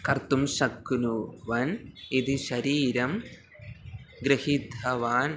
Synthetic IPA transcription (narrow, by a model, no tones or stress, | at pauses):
kɐrt̪ːumʃɐkːunuʋɐnid̪iɕɐɾiːɾɐm | ɡɾɐhid̪ʱɐʋaːn